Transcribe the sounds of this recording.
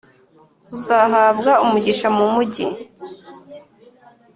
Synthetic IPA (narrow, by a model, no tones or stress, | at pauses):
uzaɦaːbɡaumuɟiʃamumuɟḭ